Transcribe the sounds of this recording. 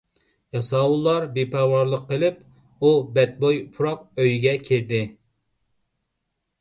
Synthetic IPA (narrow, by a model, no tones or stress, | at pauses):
jɑsɑwulˠːɑɾbepʰɛːwɑɾlˠəqʰːəlˠɪp | ubɛt̪̚bojpʰuɾɑq̚øjɡʲɛkʲʰiɾd̪ɪ